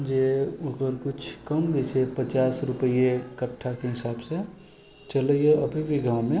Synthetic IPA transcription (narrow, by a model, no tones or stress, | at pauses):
d͡ʒeoɡəɾkʊt͡ʃʰkəmbisepət͡ʃaːsɾʊpəijekəʈʰːakeɦɪsaːbse | t͡ʃəleeɐbʱibʱiɡʱãmẽ